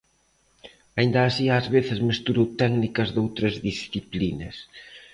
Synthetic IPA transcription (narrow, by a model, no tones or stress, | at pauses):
aind̪aːsiaːzβeθɪzmest̪uɾowt̪ɛknikɐzðowt̪ɾɐzðisθiplinɐs